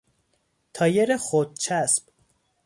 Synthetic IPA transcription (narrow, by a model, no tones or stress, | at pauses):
t̪ʰɒːjeɾexod̪̚t͡ʃʰæsp̚